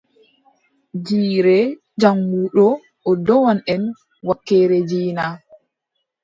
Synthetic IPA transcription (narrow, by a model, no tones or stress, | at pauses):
d͡ʒiːɾɛ | d͡ʒaŋɡuːɗɔ | ʔɔdɔwanʔɛn | wakːɛːɾɛd͡ʒiːna